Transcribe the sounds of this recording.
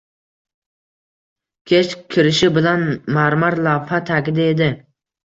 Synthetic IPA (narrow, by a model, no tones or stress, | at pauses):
kʲʰet͡ʃkʲʰːɪɾɪʃɪbɪlanmaɾmaɾlˠawhat̪ʰakʲɪd̪aed̪ɪ